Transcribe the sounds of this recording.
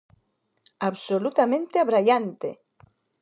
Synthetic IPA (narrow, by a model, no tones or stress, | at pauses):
aβsolut̪amẽnt̪eaβɾajant̪ḛ